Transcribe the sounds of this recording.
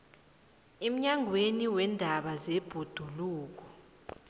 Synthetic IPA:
em̩ɲaŋʱweniwɛndʱaɓazeb̥ʱud̥ʱuluːk̬ɔ̥

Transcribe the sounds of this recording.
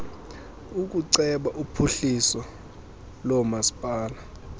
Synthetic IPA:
uk̬ʼuǀɛɓaʔupʰuɬisɔ | lɔmasi̥pʼaːla

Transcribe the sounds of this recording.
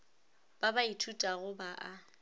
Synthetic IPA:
b̥abaitʰutʼaɣʊbaʔa

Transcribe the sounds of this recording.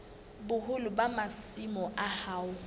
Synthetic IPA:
bʊhʊlʊbamasimɔʔahaːʊ

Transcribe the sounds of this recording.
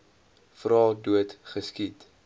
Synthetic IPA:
frɑːduətχəskit

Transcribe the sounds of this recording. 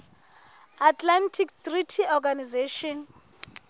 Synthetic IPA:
atʰlantʰiktritʰiɔɡanizeʃɔn

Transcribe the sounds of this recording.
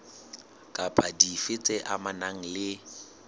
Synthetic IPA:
kʼapʼadifɪt͡sʼɛʔamanaŋ̩lɪ

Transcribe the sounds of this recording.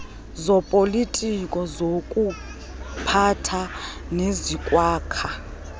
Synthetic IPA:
zɔpʼolitʼikʼɔzokʼu | pʰatʰa | nezikʼwaːkʰa

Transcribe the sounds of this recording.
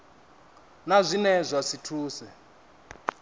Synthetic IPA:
nazʷinɛzʷasitʰuːsɛ

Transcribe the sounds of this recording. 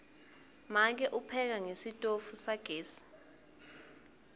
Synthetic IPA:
mak̬ɛʔupʰɛk̬aŋesitʼofusaɡ̥ʱeːsi̥

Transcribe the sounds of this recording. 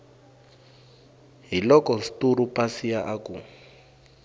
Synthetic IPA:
ɦilɔkɔsi̥tuɾupasijaʔaku

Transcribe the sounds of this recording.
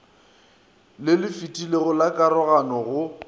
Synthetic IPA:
lɪlɪfitʼileɣʊlakʼaɾɔɣanɔɣʊ

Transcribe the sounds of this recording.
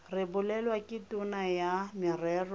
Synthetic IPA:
rɪbʊlɛlwakʼɪtʼʊnajamɪrɛːrɔ

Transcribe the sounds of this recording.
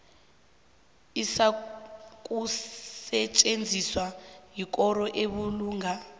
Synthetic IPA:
isa | kʼusɛt͡ʃʼend͡zʱiswajikʼɔɾɔʔeɓuluːŋɡʱa

